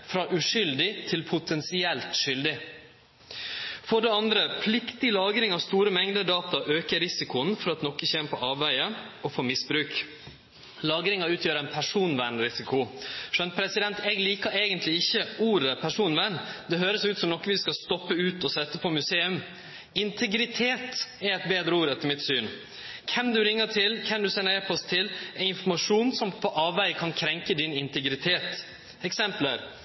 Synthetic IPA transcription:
fɾɑʔʉʂʏld̪ɪt̪ʰɪlpʰʊt̪ʰɛnsɪɛlt̪ʂʏld̪ɪ | fɔɖɛɑnd̪ɾəpʰlɪkt̪ɪlɑːɡɾɪŋɑʋst̪uːɾəmɛŋd̪əd̪ɑːt̪ɑʔøːkəɾɪsɪkʊnfɔɾɑt̪nɔkəçeːnəpʰɔʔɑːʋæɪə | ɔfoːmɪsbɾʉːk | lɑːɡɾɪŋɑʉːt̪ʰjøːɾænpʰæʂuːnʋæɳɾɪsɪkʰʊʂœnt̪pʰɾɛsɪd̪ɛnt̪ɛːɡliːkɑeːɡənt̪ʰlɪɪçːəuːɾəpʰæʂuːnʋænd̪ɛɦøːɾəsʉːt̪sɔmnɔkːʋɪskɑst̪ɔpːəʉːt̪ɔsɛt̪ːəpʰɔmʉseːʉm | ɪnt̪ʰɛɡɾɪt̪ʰeːt̪ɛɾɛɪt̪̚beːd̪ɾəuːɾɛt̪ʰɪlmɪt̪syːn | kʰɛmd̪ʉɾɪŋːəʈʰɪlkʰɛmd̪ʉsɛnːəɾɛpʰɔst̪ʰɪlɛɪnfɔmɑʂuːnsɔmpʰɔʔɑːʋʋæɪkʰɑnkʰɾɛŋkəd̪ɪnɪnt̪ɛɡɾɪt̪ʰeːt̪ | ɛksɛmpləɾ

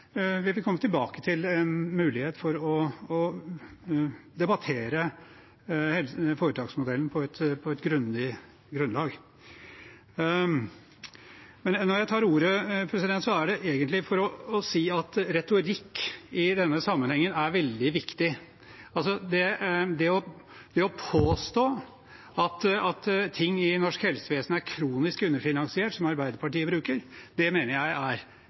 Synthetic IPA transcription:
ʋɪʋɪlkʰɔmːət̪ɪlbɑːkə̥t̪ʰɪlɛnmʉːlɪheːt̪fɔɾɔɔ | d̪ɛbɑt̪ʰeːɾə | hɛlfoːɾət̪ʰɑːɡsmʊd̪ɛln̩pʰɔɛt̪pʰɔɛt̪ɡɾʉnlɪ | ɡɾʉnlɑːɡ | mɛnnːɔɾjæɪt̪ʰɑːɾuːɾəpʰɾɛsɪd̪ɛnt̪sɔæɖɛʔeːɡənt̪lɪfɔɾɔːsiːɑt̪ɾɛt̪ʊɾɪkːɪd̪ɛnːəsɑmːənhɛŋːənæɾʋɛld̪ɪʋɪkt̪ɪ | ɑls̬ɔd̪ɛd̪ɛɔ | d̪ɛɔpʰoːst̪oː | ɑt̪ɑt̪t̪ʰɪŋːɪnɔʂkhɛlsəʋeːsnæɾkʰɾuːnɪskʉnːəɾfɪnɑnsɪeːʈsɔmɑɾbæɪd̪əɾpʰɑʈiːəbɾʉːkəɾd̪̥ɛmeːnəɾjæɪʔæɾ

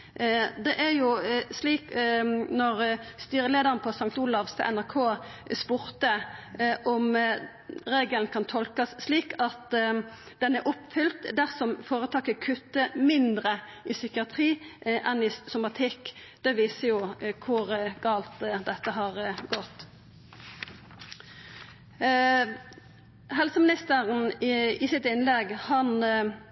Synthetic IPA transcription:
d̪ɛʔæɾjʊsliːknɔʁst̪yːɾəleːd̪əʁənpʰɔsɑŋk̚t̪ulɑʋst̪ə̰ʔɛnæʁkʰoːspuːɾt̪əʔɔm | ɾeːɡəlnkʰɑnt̪ʰɔlkɑsːliːkɑt̪ | d̪̥ɛnɛɾʔʊpfʏlt̪d̪æʁsɔmfoːɾət̪ʰɑːkəkʰʉt̪ːəmɪnd̪ɾəɪsʏkɪɑt̪ʰɾiːʔɛnɪsʊmɑt̪ʰɪkːd̪̥ɛʋiːsəjʊkʰʊʁəɡ̥ɑːlt̪d̪ɛt̪ːəɦɑʁɡɔt̪ː | hɛlsəmɪnɪst̪əʁn̩ɪsɪt̪ɪnlɛɡhɑn

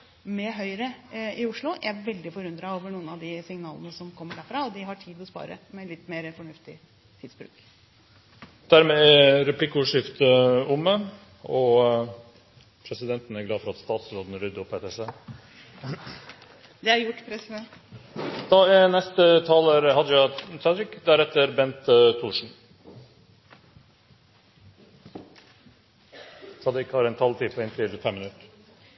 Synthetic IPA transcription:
mɛɦœʏɾəɪʊʂlʊʔæʋɛld̪ɪfɔɾʉnd̪ɾɑoːʋəɳuːənɑʋd̪ɪsɪŋnɑːlə̰nəsɔmkʰɔmːəɖæɾfɾɑɔd̪ɪɦɑʈʰiːd̪ɔspɑ̰ːɾə̰mɛlɪt̪ːmeːɾəfɔɳʉft̪ɪ | t̪ʰɪːd̪sbɾʉ̰ːk | d̪̥æɾmɛæɾɛpʰlɪkːʊʂɪft̪əʊmə | ɔ | pʰɾɛsɪd̪ɛnt̪ən̩æɡlɑːfɔɾɑt̪st̪ɑːt̪sɾoːd̪ənɾʏd̪ʊpʰeːt̪ɛseː | d̪ɛæjʊʈːpʰɾɛsɛn | d̪̥ɑɛnɛst̪ət̪ʰɑːləɾhɑd̪jɑsɑd̪ɾɪkd̪æɾɛt̪ːəɾbɛnt̪t̪ʰːuːʂɳ̩ | sɑd̪ɾɪkhɑɾɛɪnt̪ʰɑlt̪ʰiːpʰɔɛɪnt̪ʰɾiːlfɛmːɪnʉt̪

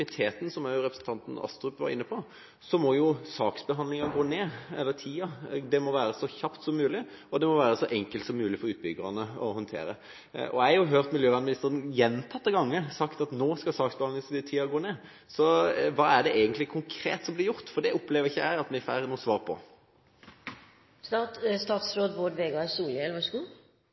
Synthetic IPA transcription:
ɪt̪ʰeːt̪n̩sɔmæʊɾɛpɾəsnt̪ʰɑnt̪n̩ɑ̰st̪ɾʉpʋɑ̰ɾɪ̰nːəpʰɔ | sɔmɔjʊsɑːksbəɦɑnd̪ɪŋɑɡoːneːɛlːət̪ʰiːɑd̪ɛmɔʋæːɾəsɔçɑpt̪sɔmːʉːlɪ | ɔd̪ɛmɔʋæːɾəsɔʔɛŋkəlt̪sɔmːʉːlɪfɔɾʉːt̪̚bʏɡəɾɑnəɔhɔnt̪ʰḛːɾə̰ | ʔɔ̰æɑhʊɦøːʁt̪mɪljøːʋæːd̪mɪnɪst̪əɾənjɛnt̪ʰɑt̪̚ːɛɡɑŋːəsɑkt̪ɑt̪noːskɑsɑːksbɑɑŋəst̪ʰiːɑɡoːneː | sɔʋɑːæɖɛʔeːɡənt̪lɪkʰʊŋkʰɾḛːt̪sɔmblɪjʊʁt̪fɔd̪ɛʊplɛːʋəɾɪçːəæɪɑt̪mɛfæɾnuːsʋɑːʁpʰɔ̰ | st̪ɑtst̪ɑːt̪sɾoːd̪ʋoːɖʋeːɡɑsuːljɛlʋɑʂɡu

